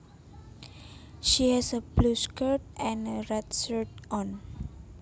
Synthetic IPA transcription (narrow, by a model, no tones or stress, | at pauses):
ʃihɛsəbluskət̚ɛ̃nəɹɛtsətɔ̃n